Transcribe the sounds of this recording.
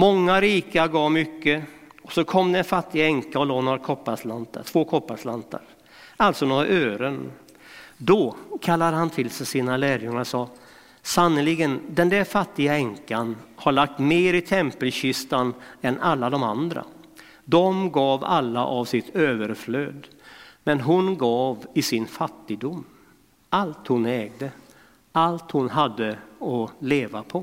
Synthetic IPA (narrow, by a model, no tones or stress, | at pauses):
mɔŋːaɾiːkaɾɡɑːvmʏkːəɔsɔkʰɔmːd̪ɛnfat̪ːɪɡaɛŋkaɔloːnaɾakʰɔpːaslant̪ʰa̰ʈʰv̥oːkʰɔpːaslant̪ʰa̰ɾ | ʔalt̪sɔnoːɾaʔøːɾən | d̪ɔkʰalːad̪ɦant̪ʰɪlsɛsiːnalæːɾjɵŋːaɾʂɑː | sanəlɪɡənd̪ɛnd̪æɾfat̪ːɪɡaɛŋkanhaɭak̚t̪meːɾɪt̪ʰɛmpəlɕʏst̪anɛnalːad̪ɔmand̪ɾa̰ | d̪ɔmɡɑːva̰lːa̰ʔavsɪt̪ʰøːvəɾfløːd̪ | mɛnɦʊnɡɑːvɪsɪnfat̪ːɪɡd̪ʊmː | ʔalt̪hʊnɛːɡ̚d̪ə | alt̪hʊnɦad̪ːəɔleːvapʰɔ